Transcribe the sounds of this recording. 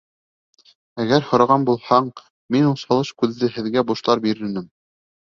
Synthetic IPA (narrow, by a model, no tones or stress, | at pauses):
æɡæɾhŏɾɑʁɑnbulˠhɑɴ | minulˠsɑlˠɤʃkʉðːɘhɘ̆ðɡæbuʃlˠɑɾbiɾɘ̆nɘm